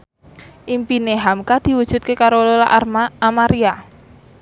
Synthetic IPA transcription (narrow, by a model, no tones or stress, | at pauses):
ʔimpineɦamkad̪̥i̤wud̥ʒ̥ṳt̪̚kekaɾololaʔaamaɾia